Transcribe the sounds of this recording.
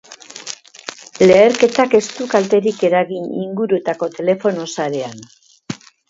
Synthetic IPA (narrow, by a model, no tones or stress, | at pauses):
le̞ːɾke̞t̪ake̞st̪ukalt̪e̞ɾike̞ɾaɣinḭŋɡuɾut̪ako̞t̪e̞le̞fo̞no̞saɾe̞an